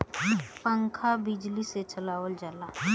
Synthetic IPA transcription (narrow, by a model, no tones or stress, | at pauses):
ə̃ŋkʰabɪd͡ʒliset͡ʃəlaːʋəld͡ʒalaː